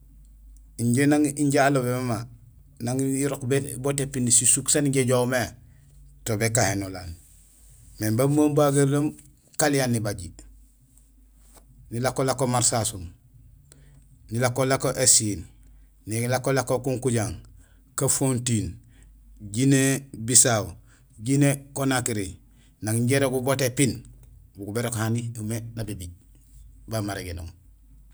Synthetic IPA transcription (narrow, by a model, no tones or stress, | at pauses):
iɲɟenaŋiɲɟaːlobemama | naŋiɾokbebotepːinisisuksaniɟeɟome | tobekahenola̰n | membamombaɡaɾlam | kalijanːibaɟi | nilakolakomaɾsasum | nilakːolakoʔesin | nilakːolakokuŋkuɟaŋ | kafontin | ɟinebisaw | ɟinekonakiɾi | naŋɲɟeɾoɡubotepinbuɡubeɾokhaniumenabibiɟ̚ | bamaɾeɡeno̰ːm